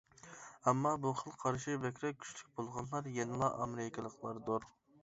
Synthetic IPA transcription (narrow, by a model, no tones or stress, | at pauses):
ɛmːɑbuχəlˠqʰɑɾʃibɛkʲʰɾɛk̚kʲʰy̥ʃlyk̚ʲbolˠʁɑnlˠɑɾjenɨlˠɑʔɑmɪɾɪkʰʲɪlˠəqlˠɑɾd̪oɾ